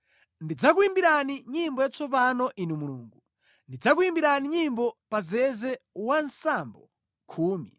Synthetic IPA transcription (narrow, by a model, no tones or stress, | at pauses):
ndid͡zakuimbiɾaniɲimbɔjat͡sʰɔpanɔʔinumuluːŋɡu | ndid͡zakuimbiɾaniɲimbɔpazɛzɛwansambɔ | kʰuːmi